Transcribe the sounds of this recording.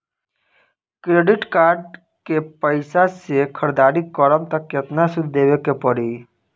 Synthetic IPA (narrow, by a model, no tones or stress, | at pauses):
kɾeːɖɪʈkaːɾɖ | kepəɪsasekʰəɾd̪aːɾikɔɾəmt̪əkːjet̪nasʊd̪ʱd̪eːʋekepəɽiː